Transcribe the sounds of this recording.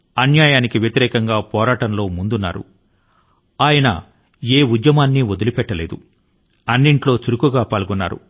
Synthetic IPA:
ɐnjaːjaːnikiʋjɐt̪iɾɛːkɐŋɡaːpɔːɾaːʈɐnlo̞ːmund̪unːa̰ːɾṵ | aːjɐnɐ̰ | eːud̪jɐmaːnːiod̪ulipɛʈːɐle̞ːd̪u | ɐnːiɳʈlo̞ːt͡ʃuɾukuɡaːpaːlɡɔnːa̰ːɾṵ

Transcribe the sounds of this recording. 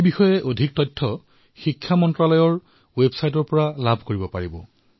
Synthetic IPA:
ebixɔjɛʔodʱik̚tɔjtʰːɔ | xikʰːamɔntɹalɔjɔɹ | websajtɔɹpɔɹalabʱkoɹibɔpaɹibɔ

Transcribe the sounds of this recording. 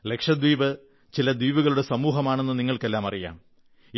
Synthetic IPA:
le̞kʂɐd̪wiːʋɨ | t͡ɕilɐd̪wiːʋuɣɐɭuɽe̞sɐmuːɦɐmaːɳe̞nːɨniŋːɐɭke̞lːaːmɐrija̰ːm

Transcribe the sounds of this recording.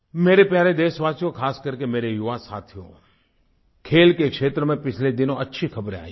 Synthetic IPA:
meːɾepjaːɾed̪eːsʋaːsijõkʰaːskəɾkemeːɾejʊʋasa̰ːt̪ʰijõ̰ | kʰeːlkekʂeːt̪ɾəmẽpɪt͡ʃʰled̪ɪnõətːʃʰikʰɐbɾea̰ːi

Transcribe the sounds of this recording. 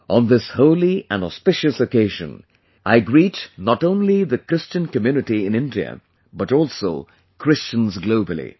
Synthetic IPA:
ʔə̃nðɪshoʊlˠiə̃ndɔ̰spɪʃɨsɨkeɪʒɨ̰̃n | ʔaɪɡɹitnəɾõʊ̃nliðɨkʰɹ̥ɪst͡ʃɨ̃nkɨmjʉnɨtiɪ̃nɪ̃ndiɨ̰ | bʌɾɔlˠsoʊ | kʰɹ̥ɪst͡ʃə̃nzɡloʊbəl̩ˠḭ

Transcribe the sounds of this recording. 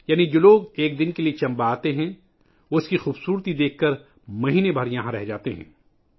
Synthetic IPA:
jaːnid͡ʒoːloːɡeːk̚d̪ɪnkeliet͡ʃɐ̃mbaaːt̪eɦɛ̃ | ʊskixuːbsuːɾt̪id̪eːkʰːɐɾ | mɐɦiːnebʱɐɾjɐɦãɾɛɦd͡ʒaːt̪eɦɛ̰̃ː

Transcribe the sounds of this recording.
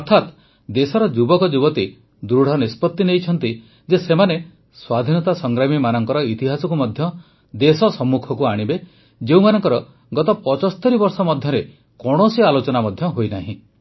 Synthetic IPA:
ɔɾt̪ʰat̪ | d̪esɔɾɔd͡ʒubɔkɔd͡ʒubɔt̪i | d̪ɾuɽ̤ɔnispɔt̪ːinejt͡ʃʰɔnt̪i | d͡ʒesemane | swad̪ʱinɔt̪asɔŋɡɾamimanɔŋkɔɾɔit̪iɦasɔkumɔd̪ʱjɔ | d̪esɔsɔmːukʰɔkuaɽ̃ibe | d͡ʒeũmanɔŋkɔɾɔ | ɡɔt̪ɔpɔt͡ʃɔsɔ̥t̪ʰɔɾibɔɾsɔmɔd̪ʱjɔɾe | kɔɽ̃osialot͡ʃɔnamɔd̪ʱjɔɦojnaɦĩ

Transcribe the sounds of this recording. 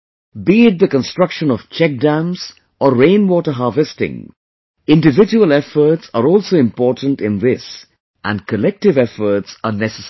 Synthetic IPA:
biɪt̚d̪əkə̃nstɹʌkʃə̃nɔʋ̥t͡ʃɛk̚ɖæ̃ms | ɔːẽɪ̃nʋɔːʈəɦɑːɾʋɛstɪ̰̃ŋ | ɪ̃nɖɪvɪd͡ʒuəlɛfəɾʈsaɾɔːlsoɪ̃mpɔːʈə̃ntɪ̃nðɪs | ʔæ̰̃nɖkəlɛk̚ʈɪvɛfəɾʈsənɛsəs

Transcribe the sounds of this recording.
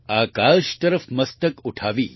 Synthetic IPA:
aːkalʃt̪əɾəfməst̪əkuʈʰaʋiː

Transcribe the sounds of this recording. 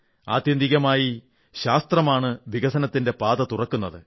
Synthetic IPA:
a̰ːd̪jɐnd̪iɣɐmaːji | ɕaːst̪rɐmaːɳɨʋiɣɐsɐnɐt̪ːinde̞paːðɐt̪urɐkːunːɐðɨ̰

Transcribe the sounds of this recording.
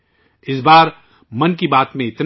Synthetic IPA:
ɪsbaːɾ | mɐnkibaːt̪mẽɪt̪n

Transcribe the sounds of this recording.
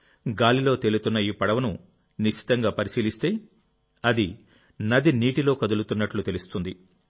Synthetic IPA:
ɡaːlilo̞ːt̪elut̪unːɐiːpɐɽɐʋɐnu | niʃi̥t̪ɐŋɡaːpɐɾisiːlist̪e̞ː | ɐd̪i | nɐd̪iniːʈilo̞ːkɐd̪ulut̪unːɐʈlut̪e̞lust̪und̪i

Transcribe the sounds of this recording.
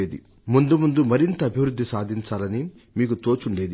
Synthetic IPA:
eːd̪ḭ | mund̪umund̪umɐɾint̪ɐːbʱiʋɾud̪ʱːisaːd̪ʱiɲt͡ʃaːlɐni | miːkut̪oːt͡ʃuɳɖe̞ːd̪i

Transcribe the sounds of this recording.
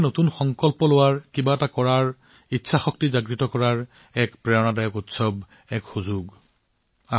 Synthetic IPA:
notunxɔŋkɔlpɔlʊwaɹkibaɛtakɔɹaɹ | itːsʰaxɔk̚tizaɡɹitɔkɔɹaɹ | ɛkpɹɛɹɔnadajɔkutsɔb | ɛkxuzuɡ | a

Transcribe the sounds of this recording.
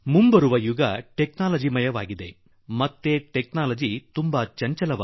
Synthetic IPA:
mumbɐɾuʋɐjuɡɐʈeknaːlɐd͡ʒimɐjɐʋa̰ːɡid̪e̞ | mɐt̪ːeʈeknaːlɐd͡ʒit̪umbɐt͡ʃɐɲt͡ʃɐlɐʋaː

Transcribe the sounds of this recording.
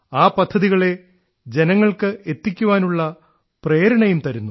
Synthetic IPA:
aːpɐd̪ʱːɐðiɣɐɭe̞ | d͡ʑe̞nɐŋːɐɭkɨet̪ːikʲːuʋaːnuɭːɐ | preːɾɐɳɐjumt̪ɐɾunːu

